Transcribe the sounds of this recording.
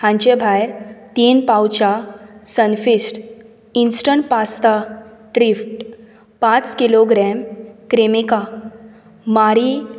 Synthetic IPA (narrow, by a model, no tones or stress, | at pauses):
hãɲt͡ɕebʱajɾt̪inpawt͡ɕasənfisʈ | insʈəɳʈpast̪aʈɾifʈ | pãt͡skiloɡɾɛmkɾemika | maɾi